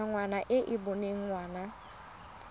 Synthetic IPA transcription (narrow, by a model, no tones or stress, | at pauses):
aŋʷanaʔeʔibʊnɪŋ̩ŋʷwana